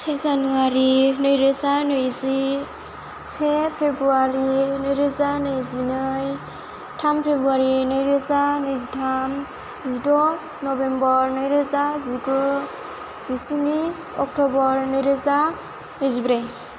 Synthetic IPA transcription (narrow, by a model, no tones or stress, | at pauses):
sʰezanuaɾinɯjɾezanɯjzi | sʰepʰebɾuaɾinɯjɾezanɯjzinɯj | tʰampʰebɾuaɾinɯjɾezanɯjzitʰam | zidɔ | nɔbembɔɾnɯjɾezaziɡɔ | zisini | ɔk̚tɔbɔɾnɯjɾeza | nɯjzibɾe